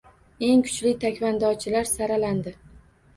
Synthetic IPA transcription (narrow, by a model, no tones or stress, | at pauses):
e̞ŋkʰʊ̥t͡ʃlɪt̪ʰakʲvand̪ɒt͡ʃʰɪlaɾsaɾaland̪ɪ